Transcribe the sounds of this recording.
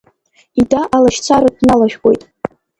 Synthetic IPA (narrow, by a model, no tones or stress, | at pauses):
idaʔalaʃt͡sʰaɾadnalaʃᶣɡʼo̞̰jtʼ